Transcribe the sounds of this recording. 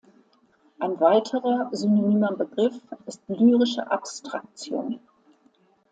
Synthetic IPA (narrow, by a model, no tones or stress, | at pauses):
ʔaɪnvaɪtʰəʁɐzynonyːmɐbəɡʁɪfɪstlyːʁɪʃə̰ʔapstʁ̥ak̚t͡sjo̰ːn